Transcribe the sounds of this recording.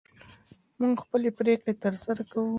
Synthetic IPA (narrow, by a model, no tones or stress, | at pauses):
muŋɡxpəlepɾekɽet̪əɾsaɾakawu